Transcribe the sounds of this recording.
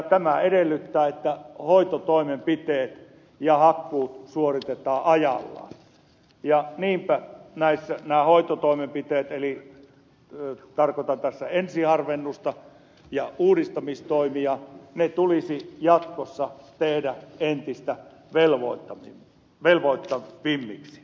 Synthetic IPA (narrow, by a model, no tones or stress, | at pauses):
t̪æmæeɾelːyt̪ːæːet̪ːæhoit̪ot̪oˑimempit̪eːt̪ | jɑhɑkːuːt̪suorit̪et̪ɑːʔɑjɑ̰lːɑ̰ː | jɑniːmpænæisːænæːhoit̪ot̪oˑimempit̪eːt̪eli | t̪ɑrkot̪ɑnt̪æsːæensihɑrʋenːust̪ɑ | jɑʔuːɾist̪ɑmist̪oˑimiɑnet̪ulisijɑt̪kosːɑt̪ehdæent̪ist̪æ | ʋelʋot̪ːɑmi | ʋelʋoˑit̪ːɑʋimːḭksi̥